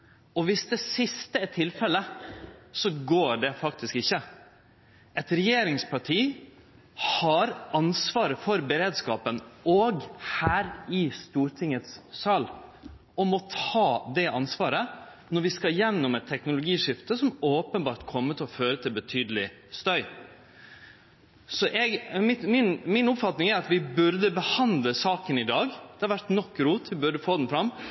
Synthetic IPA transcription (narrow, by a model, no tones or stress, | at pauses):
ɔʋɪsd̪ɛsɪst̪əæʈʰɪlfɛlə | sɔɡoːɖɛfɑk̚t̪ɪskɪçːə | ʔɛt̪ɾɛjeːɾɪŋspʰɑʈʰiː | hɑɾɑnsʋɑːɾəfɔɾbəɾeːd̪skɑːpənɔɡhæːɾɪst̪uːɾʈʰɪŋət̪ssɑːl | ɔmɔt̪ʰɑːd̪ɛʔɑnsʋɑːɾə | nɔɾʋɪskɑjɛnːɔmɛt̪ʰːɛknʊlʊɡiːʂɪft̪əsɔmoːpənbɑːɾʈ̪kʰɔmːət̪ʰɪlɔføːɾət̪ʰɪlbət̪ʰyːd̪əlɪ | st̪œʏ | sɔʔɛɡmɪmɪnmɪnʊpfɑt̪nɪŋæɾɑt̪ʋɪbʉɾd̪əbəhɑnd̪ləsɑːkənɪd̪ɑːɡd̪ɛhɑɾʋæʈnɔkːɾuːt̪ʋɪbʉɾɖəfoːd̪ɛnfɾɑmː